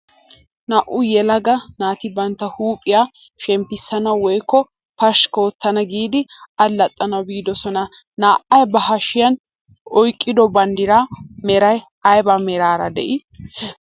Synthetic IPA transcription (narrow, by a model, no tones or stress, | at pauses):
nɐʔʊjɛlɐɡɐnaːt̪ɪbɐnt̪ːɐhuːpʼːɪjaː | ʃɛmpːɪsːɐnɐwɔjkːɔ | pɐʃkoːt̪ːɐnɐɡiːd̪ɪɐlːɐt̪ʼːɐnɐwbiːd̪ɔsɔnɐ | naːʔɐjbɐɦɐʃɪjɐn | ɔjkʼːɪd̪ɔbɐnd̪ɪɾamɛɾɐj | ɐjbɐmɛɾaːɾɐ̰d̪ɛ̰ʔɪ